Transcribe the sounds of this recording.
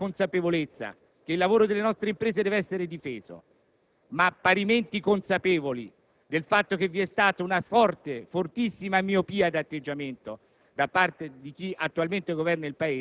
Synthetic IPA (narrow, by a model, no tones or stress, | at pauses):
onsapevolet̪sːa̰ | keilːavoːɾod̪elːenɔst̪ɾeimpɾeːzed̪ɛveɛsːeɾed̪ifeːzo̰ | mapːaɾiment̪ikonsapeːvoli | d̪elfat̪ːok̟evːiɛst̪aːt̪ounafɔrt̪efort̪isːimamiopiːad̪at̪ːed͡ʒːament̪o | d̪apart̪ed̪ik̟iat̪ːualment̪eɡovɛrnailpaeː